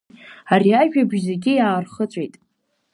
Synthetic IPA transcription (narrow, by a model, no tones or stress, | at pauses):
ariaʒᶣabʒzeɡʲɪjaːrχət͡sʷʼejtʼ